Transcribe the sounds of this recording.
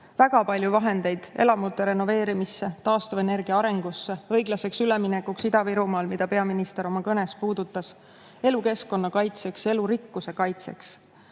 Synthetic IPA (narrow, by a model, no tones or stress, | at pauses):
væɡ̥ɑpɑlʲjuvɑɦe̞nd̪̥e̞jd̪̥e̞̰lɑmut̪ːˑe̞ɾe̞no̞ve̞ːɾimisːe̞t̪ɑːst̪uvene̞rɡ̥iɑɑɾe̞ŋɡ̥usːe̞ɤ̞jɡ̥lɑse̞ksyleminekːuksid̪̥ɑviɾumɑːlmid̪̥ɑpe̞ɑminist̪e̞ɾo̞mɑkɤne̞spuːd̪̥ut̪ːˑɑs | e̞luke̞sko̞nːɑkɑjt̪se̞kse̞luɾikːuse̞kɑjt̪se̞̰ks